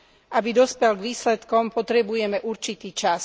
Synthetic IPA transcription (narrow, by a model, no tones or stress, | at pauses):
ʔabid̪ɔspɛlɡʋiːslɛt̪kɔmpɔt̪ɾɛbujɛmɛʔuɾt͡ʃit̪iːt͡ʃas